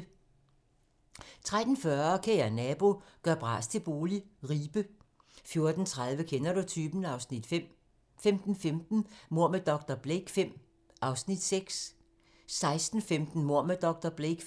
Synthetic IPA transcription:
t͡sʰʁad̥n̩fɶɐkʰeænɛb̥o̝ɡ̥ɶɐb̥ʁɑ̰̈ːst͡sʰe̝lb̥o̝ːliʁiːb̥ə | fjo̝ɐd̥n̩t͡sʰʁað̞ˠʋəkʰenɐɾ̥ut͡sʰyːb̥n̩ɑ̈ʊsnid̥ | femd̥n̩femd̥n̩mo̝ɐ̰məd̥ɒ̽ɡ̥̚d̥ɐb̥leɡ̥fem̰ | ɑ̈ʊsnid̥seɡ̥s | sɑ̈ɪsd̥n̩femd̥n̩mo̝ɐ̰məd̥ɒ̽ɡ̥̚d̥ɐb̥leɡ̥

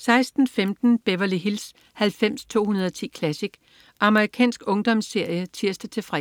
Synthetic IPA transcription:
sɑ̈ɪsd̥n̩femd̥n̩b̥eʋɐliɦils | hælfem̰st͡sʰo̝̰ːhunɐð̞ˠɒ̽t͡sʰḭːkʰlæsiɡ̥ | ʔɑ̈məʁikʰɛ̰ːnsɡ̥ɔ̽ŋd̥ɒ̽msːe̝ɐjət͡sʰiɐsd̥ət͡sʰe̝fʁɛ

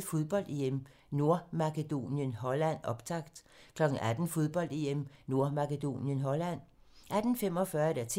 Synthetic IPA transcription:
fo̝ðˠb̥ɒ̽l̰d̥eem | no̝ɐ̰mɑ̈ked̥o̝̰ːnjənɦɒ̽læn̰ɒ̽b̥t͡sʰɑ̈ɡ̥d̥ | kʰlɒ̽ɡ̥̩ʔæd̥n̩fo̝ðˠb̥ɒ̽l̰d̥eemno̝ɐmɑ̈ked̥o̝̰ːnjənɦɒ̽læn̰ʔæd̥n̩fem̰ɒ̽fɶɐed̥æɐt͡sʰ

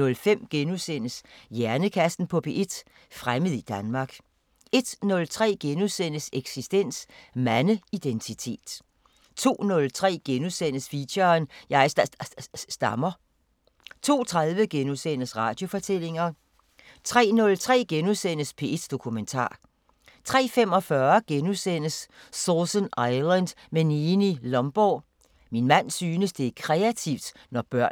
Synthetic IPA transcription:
ɔ̽lfem̰ɡ̥enusen̰əsjæɐnəkʰæsd̥n̩pʰɒ̽pʰe̝ʔed̥ | fʁaməð̞ˠid̥ænmɑ̈ɡ̥ | e̝d̥nɔ̽lt͡sʰʁɛ̰ːɡ̥enusen̰əseɡ̥sisd̥en̰smænəid̥ent͡sʰit͡sʰe̝̰ːd̥ | t͡sʰo̝̰ːnɔ̽lt͡sʰʁɛ̰ːɡ̥enuðˠsen̰əsfiɕɐːnjɑ̈ɪ̥ | sd̥ɑmɐ | t͡sʰo̝̰ːt͡sʰʁaðˠʋəɡ̥enusen̰əsʁɑ̈ːd̥jo̝fɒ̽t͡sʰel̰e̝ŋɐ | t͡sʰʁɛ̰ːnɔ̽lt͡sʰʁɛ̰ːɡ̥enuðsen̰əspʰe̝esd̥o̝kʰument͡sʰɑ̰̈ː | t͡sʰʁɛ̰ːfem̰ɒ̽fɶɐɡ̥enusen̰əsː | osənɑ̈ɪlənd̥ | meniːnilɒ̽mb̥ɒː | minmæn̰syːnəsd̥e̝ækʰʁɛæt͡sʰiʊ̰d̥ | nɒb̥ɶɐ̰

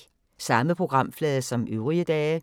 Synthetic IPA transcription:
sɑ̈məpʰʁo̝ɡ̥ʁɑ̈m̰flɛːðˠɐsɒ̽mʔøʊʁiəd̥ɛː

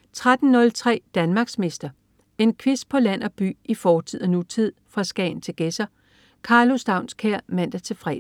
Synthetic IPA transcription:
t͡sʰʁad̥n̩nɔ̽lt͡sʰʁɛ̰ːd̥ænmɑ̈ːɡ̥sme̝sd̥ɐ | e̝nkʰʋis̚pʰɒ̽læn̰ɒ̽b̥y̰ːifɒːt͡sʰið̰ˠɐnut͡sʰið̰ˠfʁɑ̈sɡ̥ɛ̰ːɪn̩t͡sʰe̝lɡ̥esɐ | kʰɑ̈ːlosd̥ɑ̈ʊ̰nskʰæɐ̰mæn̰d̥ɐt͡sʰe̝lfʁɛ̰ːd̩

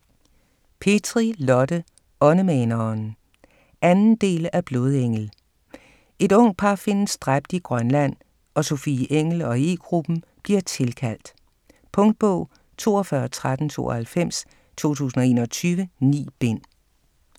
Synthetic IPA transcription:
pʰe̝d̥ʰʁilɒ̽d̥ə | ɒ̽nəmɛnɐn | ʔænn̩d̥e̝̰ːlæb̥lo̝ːð̞ˠeŋ̰l̩ | e̝dɔ̽ŋ̰d̥̚pʰɑ̈fe̝nsd̥ʁab̥̚d̥iɡ̥ʁɶnlæn̰ | ʔɒ̽so̝fiʔeŋ̰l̩ɒ̽e̝̰ːɡ̥ʁub̥m̩b̥liɐt͡sʰe̝lkʰæl̰d̥ | pʰɔ̽ŋd̥̚b̥ɔʊ̰ | t͡sʰo̝̰ːɒfɶːɐt͡sʰʁad̥n̩t͡sʰo̝̰ːʔɒhælfem̰s | t͡sʰo̝̰ːt͡sʰṵːsn̩ɒe̝̰ːnɒt͡sʰyːʋənḭːb̥e̝n̰

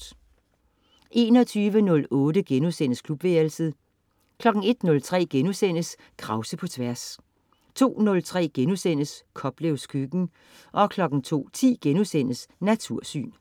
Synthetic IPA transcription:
ʔe̝ːnɒ̽t͡sʰyːʋənɔ̽lɔ̽ːdəɡ̥enusenəskʰlub̥ʋeːlsið̩ˠ | kʰlɒ̽ɡ̥ŋ̩e̝d̥nɔ̽lt͡sʰʁɛ̰ːɡ̥enusen̰əs | kʰʁɑ̈ʊsəpʰɒ̽t͡sʰʋæɐs | t͡sʰo̝̰ːnɔ̽lt͡sʰʁɛ̰ːɡ̥enusen̰əskʰɒ̽b̥leʊskʰyɡ̥n̩ | ʔɒ̽kʰlɒ̽ɡ̥n̩t͡sʰo̝̰ːt͡sʰḭːɡ̥enusen̰əsnæt͡sʰuɐ̰sy̰ːn

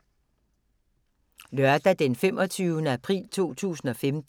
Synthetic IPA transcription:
lɶɐd̥æd̥enfem̰ʔɒ̽t͡sʰyːʊənəæpʰʁḭːlt͡sʰo̝̰ːt͡sʰṵːsn̩ɒ̽femd̥

